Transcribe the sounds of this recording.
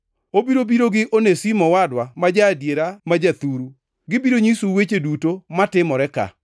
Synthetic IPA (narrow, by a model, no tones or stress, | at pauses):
obiɾobiɾoɡɪʔonesimɔwadwamad͡ʒadjeɾamad͡ʒat̪uɾu | ɡɪbiɾoɲisuwet͡ʃedutomatɪmɔɾɛka̰